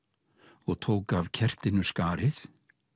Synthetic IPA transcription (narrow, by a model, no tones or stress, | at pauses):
ɔɣt̪ʰoːwkavcʰɛr̥t̪ɪnʏskaːɾɪθ